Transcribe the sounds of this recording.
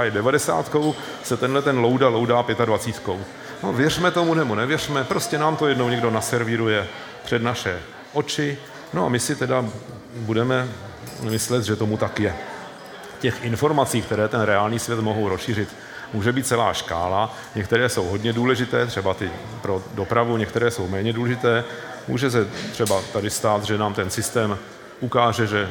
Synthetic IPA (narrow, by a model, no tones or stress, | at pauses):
ajɛdɛvadɛsa̰ːt̪ko̞w | sɛt̪ɛnɦlɛt̪ɛnlo̞wdalo̞wdaːpjɛt̪advat͡siːt̪ko̞w | novjɛrmɛt̪o̞munɛmonɛvjɛr̝mɛpɾo̞scɛnaːmt̪o̞jɛdnowɲɛɡdo̞nasɛɾvɪɾujɛ | pr̝̥ɛdnaʃɛ | ʔo̞t͡ʃɪ | noa̰mɪsɪt̪ɛda | budɛmɛ | mɪslɛt̪ʒɛt̪o̞mut̪akjɛ | cɛxʔɪnfo̞ɾmat͡siːkt̪ɛɾɛːt̪ɛnɾɛaːlɲiːsvjɛt̪mo̞ɦowɾosʃiːr̝ɪt̪ | muːʒɛbiːt̪̚t͡sɛla̰ːʃka̰ːla | ɲɛkt̪ɛɾɛːso̞wɦo̞dɲɛduːlɛʒɪt̪ɛːt̪r̥ɛbat̪ɪ | pɾo̞do̞pɾavuɲɛk̚t̪ɛɾɛːso̞wmɛːɲɛduːlɛʒɪt̪ɛː | mṵːʒɛs̬ɛt̪r̝̥ɛbat̪adɪst̪aːt̪ʒɛnaːmt̪ɛnsɪst̪ɛːm | ʔukaːʒɛʒɛ